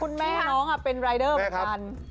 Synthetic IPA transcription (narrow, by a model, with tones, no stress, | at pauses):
kʰu˧nmɛː˥˩nɔː˨˥ŋʔa˨˩pe˧nɾaː˧jdɤː˥˩mə˩˦ka˧n